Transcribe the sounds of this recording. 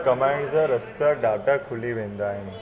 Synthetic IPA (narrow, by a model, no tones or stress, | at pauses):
kəmãjɳɖd͡zəɾəst̪əɖaʈəkʰuliʋẽnd̪aaːɦin